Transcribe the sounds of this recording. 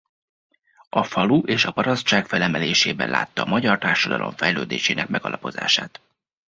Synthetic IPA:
ɒfɒluʔeːʃɒpɒɾɒst̪t͡ʃaːkfɛlɛmɛleːʃeːbɛ̰nlʔa̰ːt̪ːɒːmɒɟɒrt̪aːrʃɒd̪ɒ̰lo̞̰ɱfɛjløːd̪eːʃeːnɛkmɛɡɒlɒpo̞za̰ːʃaːt̪

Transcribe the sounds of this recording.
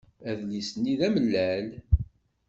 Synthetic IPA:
æðlisəniðæməlːæl

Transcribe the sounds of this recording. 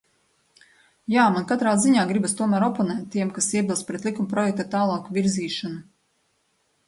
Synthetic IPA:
jaːmankat̪ɾaːziɲaːɡɾibast̪uɔmæːɾɔpɔnɛːt̪ʲːiɛmkasiɛbʲilˠspɾɛt̪lˠikumpɾɔjɛk̚t̪at̪aːlˠɑːkvʲiɾziːʃanu

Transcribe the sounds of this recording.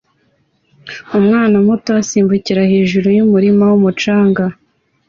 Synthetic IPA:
umŋaːnamutoasiːmbuciɾahe̞ːʒuɾujumuɾimawumut͡ʃaːŋɡa

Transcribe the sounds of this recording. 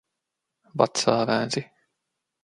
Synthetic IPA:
ba̰t̪saːvæːzi

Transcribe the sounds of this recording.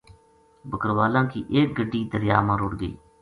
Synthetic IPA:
bəkəɾʋaːlãːkiːʔeːk̚ɡəɖːiːd̪əɾjaːmãːɾʊɽɡə̰iː

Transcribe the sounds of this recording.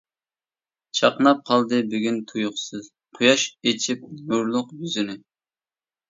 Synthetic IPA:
t͡ʃʰɑqnɑp̚qʰɑlˠd̪ɨbyɡʲynt̪ʰujʊχsɨz̥ | qʰʊjɑʃet͡ʃʰip̚nuɾlˠʊqjyzɪnɪ

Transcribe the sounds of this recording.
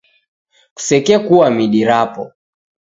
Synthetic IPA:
ku̥sɛkɛkuwamiɗiɾapɔ

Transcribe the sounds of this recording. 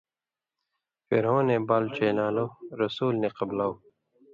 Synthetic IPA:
fḛɾɦõːnebaːlt͡ɕeːnaːloːɾɐsuːlneqɐblaːoː

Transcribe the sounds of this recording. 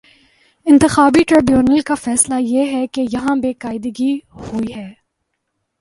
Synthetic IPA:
ɪ̃nt̪ɪxaːbiʈɾɪbjuːnəlkafɛːslajeɦɛkejɐɦãbeːkaːɪd̪əɡihuiɦɛː

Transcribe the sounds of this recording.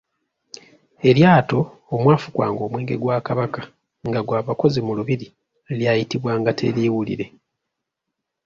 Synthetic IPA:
e̞ljaːto̞ː | mwaːfukwa̰ːŋɡo̞ːmwe̞ːŋɡe̞̰ɡwaːkaβaka | ŋɡaɡwaːβako̞zimuluβiɾi | ljajitiβwaːŋɡatʰe̞̰liːwulḭɾe̞

